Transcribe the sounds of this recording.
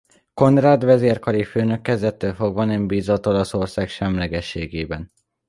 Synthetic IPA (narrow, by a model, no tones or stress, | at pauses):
ko̞nraːd̪vɛzeːrkɒɾiføːnø̞kːɛzd̪ɛt̪ːøːlfo̞ɡʋɒnɛmbiːzot̪o̞lɒso̞rsaːkʃɛmlɛɡɛʃːeːɡeːbɛn